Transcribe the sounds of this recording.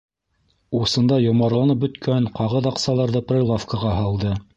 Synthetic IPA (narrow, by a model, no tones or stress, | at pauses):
usɤ̆nd̪ɑjŏmɑɾlˠɑnɤp̚bɵ̆t̪kʰænqɑʁɤðɑqsɑlˠɑɾðɤprʲelˠofkəʁɑɦɑlˠd̪ɤ